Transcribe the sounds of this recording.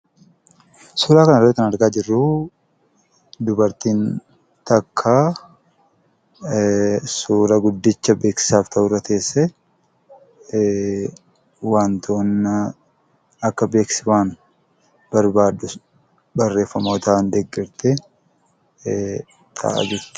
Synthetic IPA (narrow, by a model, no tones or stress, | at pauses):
suːɾaːkɐnɐrːt̪ːɐnɐɾɡaːd͡ʒɪrːu | d̪ʊbɐɾt̪iːn | t̪ɐkʰːaː | suːɾɐɡʊd̪ːɪt͡ʃːɐbeːksɪ̥saːft̪ʰɐʔʊrːɐt̪ʰe̞ːsːɛ | waːnt̪ʰoːnːɐ | ɐkːɐbe̞ːksɪwaːn | bɐɾbaːd̪ːʊ | bɐrːe̞ːfːɐmoːt̪and̪ɛɡːɪɾt̪ɛ | t̪ʰɐ̰ʔa̰d͡ʒɪɾt̪